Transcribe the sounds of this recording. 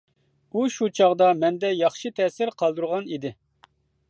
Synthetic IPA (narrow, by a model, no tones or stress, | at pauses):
uʃut͡ʃʰɑʁd̪ɑmɛnd̪ɛjɑχʃit̪ʰɛsɪɾqʰɑlˠd̪uɾʁɑnid̪ɪ